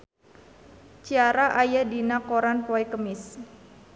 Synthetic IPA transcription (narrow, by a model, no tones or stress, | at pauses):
t͡ʃiaɾaʔajadinakoɾanpoikəmɪs